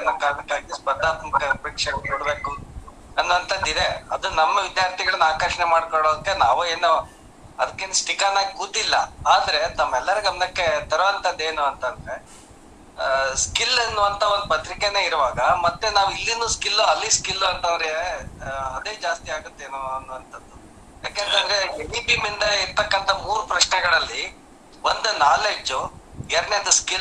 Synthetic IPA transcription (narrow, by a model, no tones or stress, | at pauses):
ɐnɐkːaɐmɐkːaːɡispɐd̪aːt̪mɐkɐɾpekʂɐnkoːɽbe̞ːku | ɐnːuɐnt̪ɐd̪id̪eɐd̪unɐmːɐʋid̪jaːɾt̪ʰiɡɐɭɐnaːkɐɾʂɐnemaːɖ̚koɭoːd̪ɐkːenaːʋue̞ːnːu | ɐd̪ɐkːeːnsʈikanaːɡikud̪ːilːɐaːd̪ɐɾe̞t̪ɐmːɛlːɐɾɐɡɐmɐnɐkːe̞t̪ɐɾʋɐnt̪ɐd̪ːe̞ːnuɐnt̪ɐnd̪ɐɾe̞ | skilːɐnːuʋɐnt̪ʰɐond̪upɐt̪ɾikene̞ːiɾuʋaːɡɐmɐt̪ːenaːʋilːinuːskilːuɐlːiskilːuɐnt̪ɐʋɾɡeɐd̪e̞ːd͡ʒaːst̪iaːɡut̪ːeːnuɐnːuʋɐnt̪ʰɐd̪ːu | ja̰ːkeːnt̪ɐnd̪ɾeɖipimind̪ɐiɾt̪ɐkːɐnt̪ʰɐmuːɾupɾɐʂɳɛɡɐɭɐlːi | ʋond̪unaːled͡ʒːuɛɾɐnend̪ɐskil